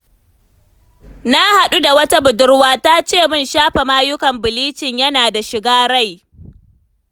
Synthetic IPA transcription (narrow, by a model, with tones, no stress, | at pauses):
na˦ha˨ɗu˦da˨wɐ˦ta˦bʊ˨dʊ˦rwaː˦ta˦t͡ʃeː˦˨mɪ˦nʃaː˦ɸe˨maː˦jʊ˦kɐ˨mbɪ˨liː˦t͡ʃɪ˨ɲjɐ˦naː˨da˨ʃɪ˨ɡaː˦ɽa˦˨j